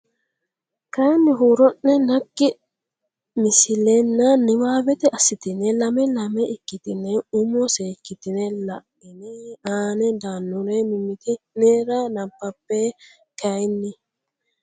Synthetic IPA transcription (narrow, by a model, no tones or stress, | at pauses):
kɐjnːɪɦuːɾɔnːɛnɐɡːɪ | mɪsɪlɛnːɐnɪwaːbɛt̪ɛʔɐsːɪt̪ɪnɛlɐmɛlɐmɛʔɪkːɪt̪ɪnɛʊmɔseːkːɪt̪ɪnɛlɐʔɪneaːnɛd̪aːnːʊɾemɪmɪt̪ɪneːɾanɐmpːɐpːeː | kɐjnːɪ